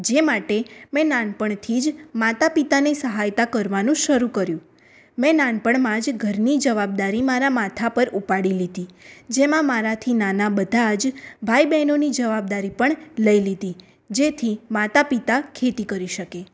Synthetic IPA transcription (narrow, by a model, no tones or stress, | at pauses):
d͡ʒemaʈemɛ̃nanpəɳt̪ʰid͡ʒmat̪apit̪anesəɦajt̪akəɾʋanũʃəɾukəɾjũ | mɛ̃nanpəɳmãd͡ʒɡʱəɾnid͡ʒəʋab̚d̪aɾimaɾamat̪ʰapəɾupaɽilid̪id͡ʒemãmaɾat̪ʰinanabəd̪ʱad͡ʒbʱajbɛnonid͡ʒəʋab̚d̪aɾipəɳləilid̪i | d͡ʒet̪ʰimat̪apit̪akʰet̪ikəɾiʃəke